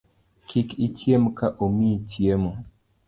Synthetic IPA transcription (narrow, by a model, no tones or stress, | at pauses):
kʰɪkit͡ʃjemkaʔomitjemo